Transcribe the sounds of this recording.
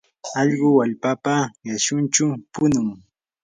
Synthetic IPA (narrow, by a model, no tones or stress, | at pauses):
ɑʎɢʊwaʎpapajaʃʊnt͡ʃʊpʊnʊŋ